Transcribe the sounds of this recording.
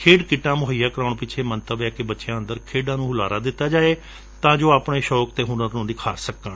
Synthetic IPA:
kʰeːɖkɪʈãːmʊɦəjaːkəɾaːɳpɪt͡ʃʰeːmənt̪əbɛːkebətːʃejãːənd̪əɾkʰeːɖãːnũːʊlaːɾaːd̪ɪt̪ːaːd͡ʒaːeː | t̪ãːd͡ʒoːaːpɳeːʃɔːk̚t̪eːɦʊnəɾnũːniːkʰaːɾsəkːəɳ

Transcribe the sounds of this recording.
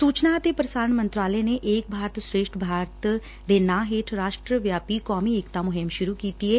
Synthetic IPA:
suːt͡ʃnaət̪epɾəsaːɾəɳmə̃nt̪ɾaːləeneʔeːk̚bʱaːɾt̪sɾeːʃʈʰbʱaːɾt̪ | d̪eːnãːɦeːʈʰɾaːʃʈɾəʋjaːpikɔːmieːkt̪amʊɦɪmʃʊɾukiːt̪iɛː

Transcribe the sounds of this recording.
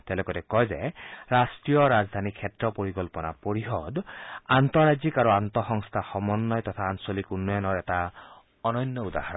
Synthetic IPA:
tɛlɛkɔtɛkɔjzɛ̰ɹastɹijɔɹazd̪ʱanikʰːɛtɹɔpoɹikɔlpɔna̰poɹixɔdantɔɹazikaɹuant̪ɔxɔŋstʰaxɔmɔnːɔjtɔtʰaːnsolikunːɔjɔnɔɹɛta | ɔnɔnːɔuda̰haɹɔn

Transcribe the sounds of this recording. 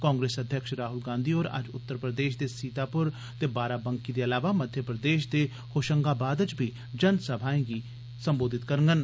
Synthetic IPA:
kãːŋɡɾeːsəd̪ʱjəkʃɾaːɦʊlɡãːnd̪iːoːɾə̰d͡ʒʊ̰t̪ːəɾpɾəd̪eːʃd̪eːsiːt̪aːpʊɾ | t̪eːbaːɾaːbəŋkiːd̪eːəlaːʋaːməd̪ʱjəpɾəd̪eːʃd̪eː | hoːʃəŋɡaːbaːd̪ət͡ʃbʱiː | d͡ʒənsəbʱaːẽːɡiː | səmboːd̪ɪt̪kəɾəŋɡən

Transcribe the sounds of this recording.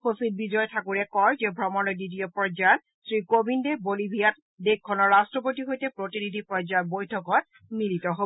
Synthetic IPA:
xosid̚bid͡ʒɔjtʰakuɹɛkɔɹzebʱɹɔmɔnɔɹdidijopɔd͡ʒat | sɹikobindɛbolibʱijat̚ | dek̚kʰːɔnɔɹːastɹɔp̬otiɦojtɛpɹotinidipɹɔd͡ʒabojtʰɔkɔt̚ | militɔɦob

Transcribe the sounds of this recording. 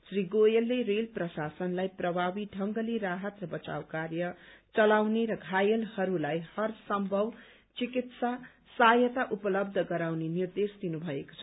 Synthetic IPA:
sriɡojelːeɾelprʌsasʌnlajprʌbʱabiɖʱʌŋɡʌliɾaɦʌt̪rʌbʌt͡sa̰wkarjʌt͡sʌlawneɾʌɡʱajelhʌɾulajhʌrsʌmbʱʌw | t͡sikit̪sa | sajʌt̪aʔupʌlʌb̚d̪ʱʌɡʌɾawnenird̪esd̪inubʱʌeko̥t͡sʰʌ

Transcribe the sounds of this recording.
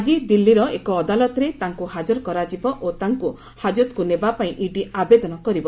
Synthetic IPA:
d͡ʒid̪ilːiɾɔekɔːd̪alɔt̪ɔɾet̪aŋkuhad͡ʒɔɾɔkɔɾad͡ʒibɔʔot̪aŋku | had͡ʒɔt̪kunebapaĩʔiɖiabed̪ɔnɔkɔɾibɔ

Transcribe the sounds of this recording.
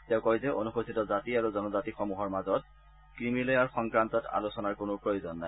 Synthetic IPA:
tɛʊ̃kɔjzɛʔo̰nuxotʰitɔzatiaɹuzɔnɔzatixɔmuɦɔɹmazɔt | kɹimilojaɹxɔŋkɹantɔta̰losɔnaɹkonopɹojozɔnːaj

